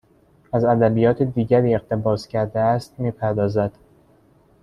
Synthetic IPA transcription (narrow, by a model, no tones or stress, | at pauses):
æzæd̪æbijɒːt̪ʰed̪iːɟæɾiːe̞xt̪ʰe̞bɒːscʰæɾd̪eæst̪̚miːpʰæɾd̪ɒːzæd̪̥